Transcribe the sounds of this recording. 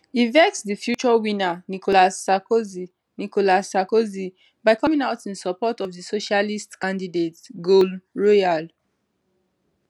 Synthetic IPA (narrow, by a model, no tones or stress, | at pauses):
hivɛk̚sdifjut͡ʃɔwĩnanikolasakozi | nikolasːakozi | baɪkɔmĩŋaʊtĩnsɔpɔtɔvdisoʃalistkãndidetɡolɹɔjal